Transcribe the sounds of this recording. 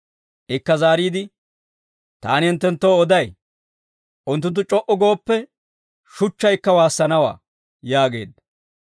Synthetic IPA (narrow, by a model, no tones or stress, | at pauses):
ʔɪkːɐzaːɾiːd̪ɪ | t̪a̰ːnɪɪnt̪ːɛnt̪ːoːɔd̪ɐj | ʔʊnt̪ːʊnt̪̬ːʊt͡ʃʼɔʔɔɡo̞ːpːɛ | ʃʊt͡ʃːɐjkːɐwaːsːɐnɐwa̰ː | jaːɡe̞̰ːd̪ɐ